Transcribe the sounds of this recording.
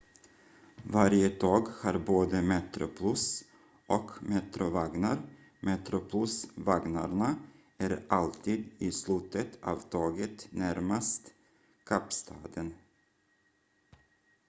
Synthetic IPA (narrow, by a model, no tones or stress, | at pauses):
vaɾjət̪ʰɑːɡhaɾboːd̪əmɛt̪ɾʊ̰pʰlɵs | ʔɔkmɛt̪ɾʊvaɡnaɾ | mɛt̪ɾʊpʰlɵsvaɡnaɾɳa | æɾʔalt̪ʰiːd̪ɪslʉ̟ːt̪ʰət̪ʰɑ̰vt̪ʰɑːɡət̪næɾmast̪ | kʰapst̪ʰɑːd̪ən